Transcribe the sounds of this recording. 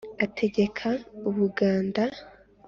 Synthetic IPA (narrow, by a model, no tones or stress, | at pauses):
atʰe̞ɡe̞kʰauβuɡaːnda